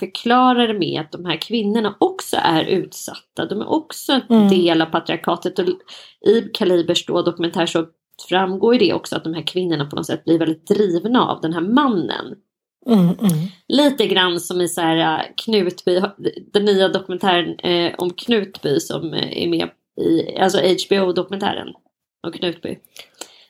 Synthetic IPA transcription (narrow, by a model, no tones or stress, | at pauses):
fœɾkʰlɑːɾaɾəmɛ̰a̰t̪̚d̪ɔmhæːɾkʰvɪnːʊɳaʔɔksɔ̰ʔæɾʔʉ̟ːt̪sa̰t̪ːad̪ɔmæ̰ɾʔɔksɔɛnd̪eːlavpʰat̪ɾɪaɾkʰɑːt̪ət̪ɔʔɪkʰaliːbəʂdod̪ɔkɵmɛnt̪ʰæːʂɔ | fɾamːɡoːjɖ̪ɛʔɔ̰ksɔa̰t̪̚d̪ɔmɦæːɾkʰvɪnːʊɳapʰɔnɔ̰t̪sɛ̰t̪̚ːblɪɾvɛld̪ɪt̪̚d̪ɾiːvnaa̰vd̪ɛnɦæːɾmanːə̰n | liːt̪əɡɾanːsɔmɪsahæːɾa̰kʰnʉ̟ːt̪byːd̪ɛnːyːad̪ɔkɵmɛnt̪ʰæːɾənɔ̰mkʰnʉ̟ːt̪byːsɔ̰mæ̰ɾmɛ̰ː | ɪ̰a̰lsɔɛt͡ʃbeuːd̪ɔkɵmɛnt̪ʰæ̰ːɾə̰n | ɔmkʰnʉ̟ːt̪̚bʏ̰